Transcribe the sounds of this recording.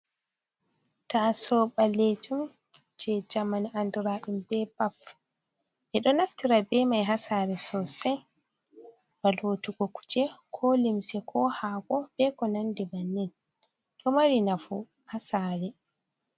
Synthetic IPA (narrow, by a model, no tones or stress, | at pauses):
tasɔɓaled͡ʒum | d͡ʒɛd͡ʒamaniʔanduɾaːɗimbɛbap | ʔɛɗɔnaftiɾabɛmajɦasaːɾɛsɔsɛj | b̥alotuɡɔku̥t͡ʃɛkʰɔlimsɛkʰɔhaɡɔb̥ɛkɔnandɛbanːin | ɗɔmaɾinafu | hasaɾɛ